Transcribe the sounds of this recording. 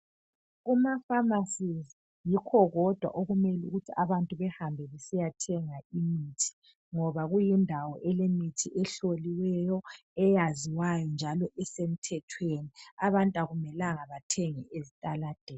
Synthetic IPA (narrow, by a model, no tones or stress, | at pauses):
ɣumafamasizi | jikʰɔɣɔd̥ʱwa̰ʔoɣumelṵɣutʰiʔaβantʼuβɛhambʱɛβɛsijatʰɛŋaimitʰi̥ | ŋɔβaɣujindʱawɔʔɛlemitʰiʔɛɬoliwɛjɔ | ɛjaziwajɔnd͡ʒʱalɔʔɛsem̩tʰɛtʰweniaβantʼaɣumɛlaŋaβatʰɛŋɛʔezitʼalad̥ʱɛːl